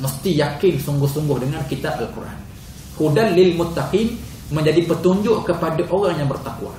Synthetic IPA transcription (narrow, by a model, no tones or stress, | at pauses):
məst̪ijakɪnsuŋɡʊhsuŋɡʊhdəŋankit̪abalkurʔa̰n | kudanlɪlmʊt̪ːaqin | mə̃ɲd͡ʒadipət̪uɲd͡ʒʊʔkəpadaʔoɾaŋjaŋbərt̪akua̰